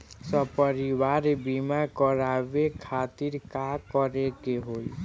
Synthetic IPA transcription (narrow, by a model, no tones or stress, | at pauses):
sɔpɔɾiwaɾebimakɔɾabekʰat̪iɾkakɔɾekeɦoj